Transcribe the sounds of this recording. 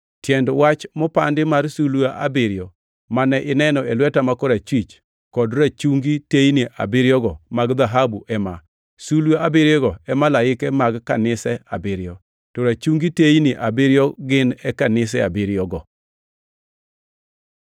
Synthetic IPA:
tjɛndwat͡ʃmɔpandɪmarsuluaʔa̰bɪɾɪjɔ | manɛʔɪnɛnɔelwɛtamakɔɾat͡ʃwit͡ʃ | kɔdɾat͡ʃuŋɡitejniʔa̰bɪɾjɔɡɔmaɡd̪aɦabuʔɛma | sulwaabiɾjɔɡɔɛmalaɪkɛmaɡkanɪsɛa̰bɪɾjɔ | tɔɾat͡ʃuŋɡitejniʔabiɾjɔɡɪnɛkanɪs̬ɛa̰biɾjɔɡɔ

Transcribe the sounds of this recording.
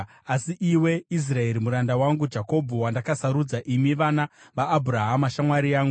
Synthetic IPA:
asiʔiwe̞is̬rae̞ɾimuɾandawaŋɡud͡ʒako̞bʱuwandakasaɾud͡zaʔimiʋanaʋaːbʱuɾaɦamaʃamwaɾiaːŋɡu

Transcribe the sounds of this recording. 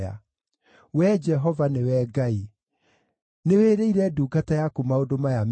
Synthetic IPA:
a̰ | wɛd͡ʒɛɦɔvanewɛɡai | neweɾeiɾɛduːɡatajakomaodomajam

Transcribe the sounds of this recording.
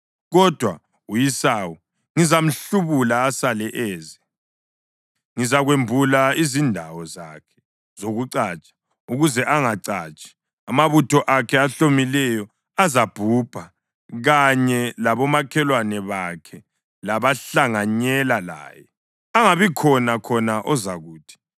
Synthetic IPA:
ɣɔd̥ʱwa | ujisaːwɔ | ŋizam̩ɬuβulaːsalɛʔɛːzɛ | ŋizaɣwembʱulaizindʱawɔzakʰɛ̥ | zoɣuǀaːt͡ʃʼḁ | uɣuzɛʔaŋaǀat͡ʃʼi̥ | amaβutʰɔʔakʰɛaɬomilɛjɔ | azab̥ʱub̥ʱa | ɣaɲɛlaβɔmakʰɛlwanɛβakʰɛ | laβaɬaŋaɲɛlala̰ːjɛ | aŋaβikʰɔnakʰɔnaʔɔzaɣuːtʰi̥

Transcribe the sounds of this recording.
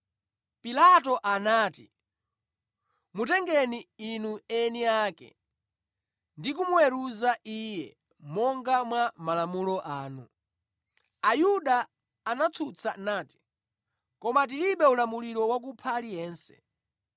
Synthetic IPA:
pilatɔʔanaːti | mutɛŋɡɛniinuɛniaːkɛ̰ | ndik̬umuwɛɾuzaiːjɛ̰ | mɔŋɡamwamalamulɔʔaːnu | ajuɗaː | nat͡sʰut͡sʰanaːti̥ | kɔmat̬iliɓɛulamuliɾɔwak̬upʰalijɛːnsɛ̥̰

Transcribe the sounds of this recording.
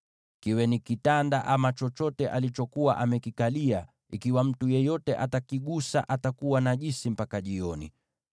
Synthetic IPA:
kiwɛnikitandaʔamat͡ʃɔt͡ʃɔtɛʔalit͡ʃɔkuwa̰ʔamɛkikalia | ikiwam̩tujɛjɔtɛʔatakiɠusa̰ʔatakuwanaʄisim̩pakaʄiɔnḭ

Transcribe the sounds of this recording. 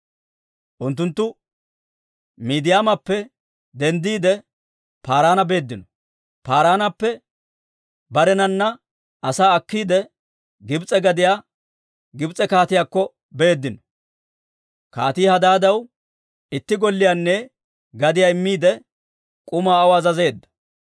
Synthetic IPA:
ʔʊnt̪ːʊnt̪ːʊ | miːd̪ɪjaːmɐpːɛ | d̪ɛnd̪iːd̪ɛ | paːɾaːnɐbe̞ːd̪ːɪnɔ | paːɾaːnɐpːɛ | bɐɾɛnɐnːɐ | ɐsaːɐkːiːd̪ɛ | ɡɪbt͡sʼɛɡɐd̪ɪjaː | ɡɪbt͡sʼɛkaːt̪ɪjaːkːɔ | be̞ːd̪ːɪnɔ | ka̰ːt̪iːhɐd̪aːd̪ɐw | ɪt̪ːɪɡɔlːɪjaːnːɛ | ɡɐd̪ɪjaːɪmːiːd̪ɛ | kʼʊmaːwɐzɐze̞ːd̪ːɐ̥

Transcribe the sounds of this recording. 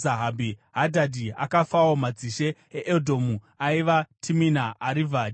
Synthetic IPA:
aɦabʱiɦadʱadʱia̰kafawomad͡ziʃe̞ | eʔeldʱo̞mu | aiʋatʰiminaːɾivʱa

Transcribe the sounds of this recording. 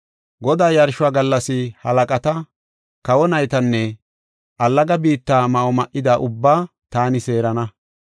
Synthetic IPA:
ɡɔd̪aːjɐɾʃʊaːɡɐlːɐsɪhɐlɐkʼɐt̪ɐ | kɐwɔnɐjt̪ɐnːɛ | ʔɐlːɐɡɐbiːt̪ːaːmɐʔɔmɐʔɪd̪aʔʊbːaː | t̪aːnɪse̞ːɾɐnɐ

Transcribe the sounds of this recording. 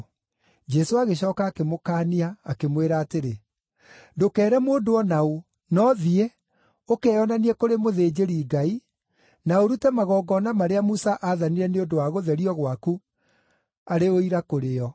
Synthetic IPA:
d͡ʒɛsoaɣeɕɔːkaːkemokaːniaːkemweɾaːteɾe | dokɛːɾɛmoːndoɔnao | nɔðie | okɛɔnaniɛkoɾemoðeːd͡ʑeɾiɡai | naoɾutɛmaɣɔːɡɔnamaɾeamusaʔaðaniɾɛneondowaɣoðɛɾiɔɣwaku | aɾeoiɾakoɾeɔ

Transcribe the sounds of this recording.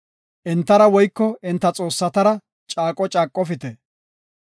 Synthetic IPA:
ʔɪnt̪ːɐɾɐwɔjkːɔɪnt̪ːɐt͡sʼo̞ːsːɐt̪ɐɾɐ | t͡ʃʼaːkʼɔt͡ʃʼaːkʼːɔfɪt̪ɛ

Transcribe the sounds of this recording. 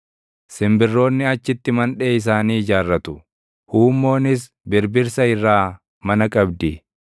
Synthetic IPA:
sɪmbɪrːo̞ːnːɪɐt͡ʃːɪt̪ːɪmɐnᶑe̞ːɪs̬aːniːd͡ʒaːrːɐt̪ʊ̥ | huːmːo̞ːnɪs | bɪɾbɪɾsɐɪrːaː | mɐnɐkʼɐbd̪ɪ

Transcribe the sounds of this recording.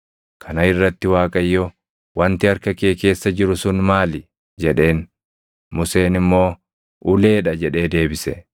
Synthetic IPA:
kʰɐnɐɪrːɐt̪ːɪwaːkʼɐjːɔ | wɐnt̪ɪɐɾkɐke̞ːke̞ːsːɐd͡ʒɪɾʊsʊnmaːlɪ | d͡ʒɛᶑe̞ːn | mʊse̞ːnɪmːo̞ː | ʔʊle̞ːᶑɐd͡ʒɛᶑe̞ːd̪e̞ːbɪsɛ

